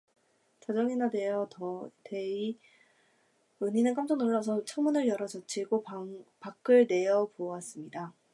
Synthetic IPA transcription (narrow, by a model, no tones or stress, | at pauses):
t͡ɕad͡ʑʌŋinade̞jʌtʌtei | ɯɲinɯnk͈amd͡ʑʰʌnoɭːas̬ʰʌt͡ɕʰʌŋmunɯɭjʌɾad͡ʑʌt͡ɕʰiɡopak͈ʰɯɭne̞jʌpowas͈ɯmɲida